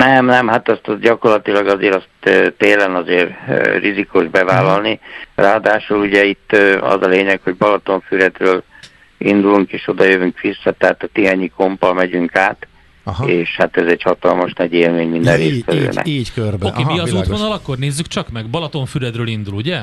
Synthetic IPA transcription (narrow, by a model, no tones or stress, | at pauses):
nɛmnɛmhat̪ɛst̪ɟɒko̞rlɒt̪ilɒɡɒzeːɾɒst̪ːt̪eːlɛnɒzeːrrizikuʒbɛvaːlɒlniraːɒd̪aːʃuluɟɛit̪ːɒ̰zɒleːɲɛkho̞ɟbɒlɒt̪oɱfyɾɛd̪røːl | ind̪uluŋkeːʃo̞d̪ɒjøvyŋkʋisːɒt̪ɛɦaːt̪ɒt̪iɦaːɲikʰo̞mpɒlmɛɟyŋkaːt̪ | eːʃhat̪ɛzɛɟhɒt̪ɒlmoʃnɛɟeːlmeːɲmind̪ɛ̃rreːsʋɛlø̰ːnʔɛ̰kørbokeːmiɒuːʋonɒlɒkːo̞rneːzːykt͡ʃɒkmɛɡbɒlɒt̪oɱfyɾɛd̪røːlind̪uluɟɛ